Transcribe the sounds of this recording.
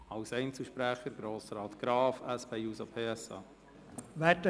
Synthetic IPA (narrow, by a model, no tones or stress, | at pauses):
ɑwsɛɪnt͡səʃpɾæχəɾɡɾoːsɾɑːt̪ɡ̥ɾɑːfæspɛjuːsopʰeːɛsɑ̰ː | ʋɛtə